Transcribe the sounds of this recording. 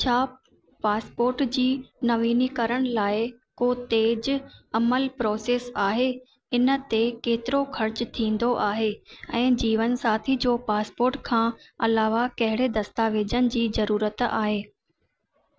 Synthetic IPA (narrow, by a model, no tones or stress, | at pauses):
t͡ɕʰaː | paːspoːɾʈd͡ʑiːnɐʋiːnikɐɾəɽ̃laːɪkoːt̪eːd͡ʑɐməlpɾɔːseːsaːɦe | ɪnət̪ekeːt̪ɪɾoxʰɐɾt͡ɕt̪ʰĩːn̆d̪oʔaːɦeɛ̃ːd͡ʑiːʋənsaːt̪ʰid͡ʑoːpaːspoːɾʈkʰãː | ɐlaːʋakɐɦɪɽed̪ɐst̪aːʋeːd͡ʑənɪ̆d͡ʑiːzɐɾuːɾət̪a̰ːɦeː